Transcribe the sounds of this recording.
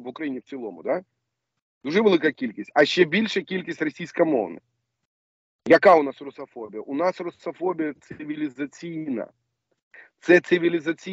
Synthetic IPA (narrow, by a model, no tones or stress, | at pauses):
ʋʊkɾɐjinʲiwt͡sʲilˠɔ̰mʊ̰d̪a | d̪̥uʐɛʋelˠɪkɐkʲilʲkʲisʲtʲɐʃt͡ʃːɛbʲilʲʃɛkʲilʲkʲisʲtʲrɐsʲijsʲkɐmɔ̰wnɪ̰ | jɐkaʊnasrʊsɐfɔbʲijɐʔʊnasrʊsɐfɔbʲijɐt̪sɪʋʲilʲɪzɐt͡sʲijnɐ̰ | t̪sɛt̪sɪʋʲilʲɪzɐt͡sʲi